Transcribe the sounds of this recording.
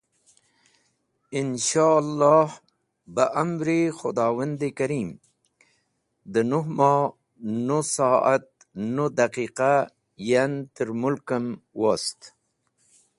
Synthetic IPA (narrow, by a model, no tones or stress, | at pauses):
ɪnʃalːɑːh | bəʔamɾixʊd̪ɑːwand̪ekaɾiːm | d̪ənuɦmɑ | nosɑːa̰t̪̚ | nod̪aqiːqa | jant̪əɾmʊlkəmwast̪